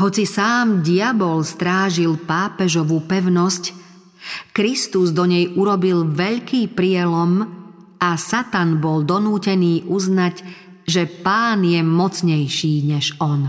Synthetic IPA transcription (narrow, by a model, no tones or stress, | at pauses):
ɦɔt͡sisaːmɟiabɔlst̪ɾaːʒilpaːpɛʒɔʋupɛʊnɔsc | kɾist̪uzd̪ɔɲɛjʔuɾɔbilʋɛʎkiːpɾɪɛlɔm | asat̪anbɔld̪ɔnuːcɛniːʔuznaɟ | ʒɛpaːnjɛmɔt͡sɲɛjʃiːɲɛʒɔn